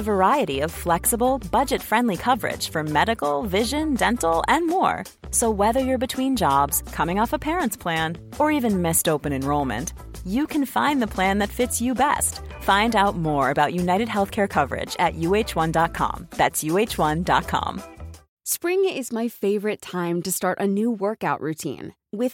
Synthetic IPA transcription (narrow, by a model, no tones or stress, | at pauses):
əvə˞aɪɨɾiʌv̥flɛksəbl̩ˠbʌd͡ʒɨtfɹɛ̃ndˡlikʰʌvə˞ɪ̰d̥ʒ̥fə˞mɛɾɨkl̩ˠvɪʒɨ̃ndɛ̃ntˡl̩ˠɨ̃nmɔ̰ɹ | soʊwɛðə˞jə˞bɨtʰw̥ĩnd͡ʒɑbz̥kʰʌmɪ̃ŋɔfəpʰɛɹə̃ntspʰl̥æ̃n | ə˞ivɨ̃nmɪstoʊpɨ̃nɨ̃nɹoʊlˠmɨ̰̃nt | jɨkʰɨ̃nfãɪ̃nðəpʰl̥æ̃nðɨtfɪtsjɨbɛ̰st | fãɪ̃ndaʊt̚mɔɹɨbaʊʔjʉnaɪɾɨd̚ɦɛlˠθkʰɛɹkʰʌvə˞ɪ̰d͡ʒɨ̰ʔjʉeɪt͡ʃwʌ̃ndɑt̚kʰɑ̰̃mðætsjʉeɪt͡ʃwʌ̃ndɑ̰t̚kʰɑ̰̃m | spɹɪ̃ŋɪzmaɪfeɪvə˞ɨtʰãɪ̃mtɨstɑɹɾʔɨnuwɜ˞kaʊʔɹʉtʰḭ̃n | wɪð̥